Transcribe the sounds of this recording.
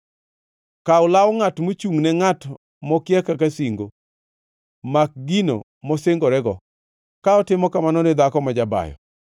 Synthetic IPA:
kaʊlawŋatmot͡ʃuŋnɛŋat | mɔkɪjɛkakasiŋɡo | mak̚ɡino̰ | mɔseŋɡɔɾɛɡɔ̰ | kaɔtɪmɔkamanɔnɪd̪akɔmad͡ʒaba̰jɔ̰

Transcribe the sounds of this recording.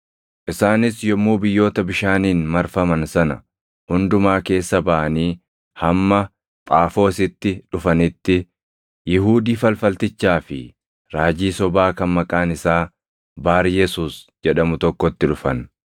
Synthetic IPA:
ʔɪsaːnɪsjɔmːuːbɪjːo̞ːt̪ɐbɪʃaːniːnmɐɾfɐmɐnsɐnɐ̰ | hʊnd̪ʊmaːke̞ːsːɐbɐʔɐniː | hɐmːɐ | t̪ʼaːfo̞ːsɪt̪ːɪᶑʊfɐnɪt̪ːɪ | jɪɦuːd̪iːfɐlfɐlt̪ɪt͡ʃːaːfɪ | ɾaːd͡ʒiːsɔbaːkɐnmɐkʼaːnɪsaː | baːɾɪjɛsuːsd͡ʒɛᶑɐmʊt̪ɔkːɔt̪ːɪᶑʊfɐn

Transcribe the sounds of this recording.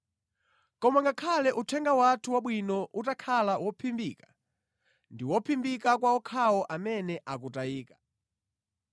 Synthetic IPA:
kɔmaŋɡakʰalɛʔutʰɛŋɡawatʰuwaɓwinɔʔutakʰalawʔɔpʰimbiːkḁ | ndiwɔpʰimbikakwaɔkʰawɔʔamɛnɛʔak̬utaiːkḁ

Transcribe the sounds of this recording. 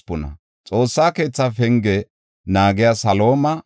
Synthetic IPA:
pːʊnɐ̰ | t͡sʼo̞ːsːaːke̞ːt͡sːafɛŋɡɛ | naːɡɪjasɐlo̞ːmɐ

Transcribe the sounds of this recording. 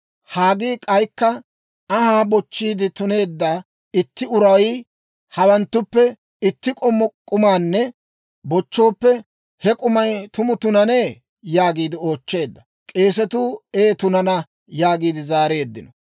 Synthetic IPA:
haːɡiːkʼɐjkːɐ | ɐhaːbɔt͡ʃːiːd̪ɪt̪ʊne̞ːd̪ːaː | ɪt̪ːɪʊɾɐwi | hɐwɐnt̪ːʊpːɛ | ɪt̪ːɪkʼɔmːɔkʼʊmaːnːɛ | bɔt͡ʃːo̞ːpːɛ | hɛkʼʊmɐjt̪ʊmʊt̪ʊnɐneː | jaːɡiːd̪ɪo̞ːt͡ʃːe̞ːd̪ːɐ | kʼe̞ːsɛt̪uːeːt̪ʊnɐnɐ | jaːɡiːd̪ɪzaːɾeːd̪ːɪnɔ

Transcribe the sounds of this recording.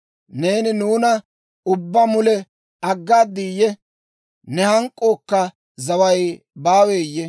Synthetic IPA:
ne̞ːnɪnuːnɐ | ʊbːɐmʊlɛ | ɐɡːaːd̪ːijːɛ | nɛhɐŋkʼːoːkːɐ | zɐwɐj | baːweːjːɛ

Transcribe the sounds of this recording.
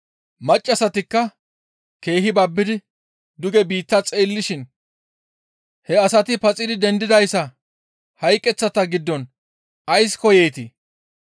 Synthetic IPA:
mɐt͡ʃʼːɐsɐt̪ɪkːɐ | ke̞ːɦɪbɐbːɪd̪ɪ | d̪ʊɡɛbiːt̪ːɐt͡sʼeːlːɪʃɪn | hɛɐsɐt̪ɪpɐt͡sʼɪd̪ɪd̪ɛnd̪ɪd̪ɐjsːɐ | hɐjkʼːɛt͡sːɐt̪ɐɡɪd̪ːɔn | ɐjskɔjeːt̪ɪ

